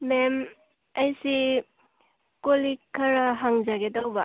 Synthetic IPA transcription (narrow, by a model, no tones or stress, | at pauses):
mem | ɐjsi | kolikʰːɐɾaɦaŋzaɡedawba